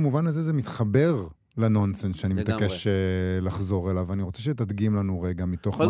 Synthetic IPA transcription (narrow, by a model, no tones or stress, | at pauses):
muvanazezemit̪χabeʁ | lano̞nsensʃeanimet̪akeʃelaχzo̞ʁelavaniʁo̞t͡seʃetad̪ɡimlanuʁeɡamit̪o̞χ